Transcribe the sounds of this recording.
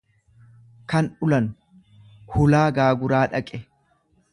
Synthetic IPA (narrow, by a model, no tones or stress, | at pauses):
kɐnʊlɐnʊ | hʊlaːɡaːɡʊɾaːᶑɐkʼɛ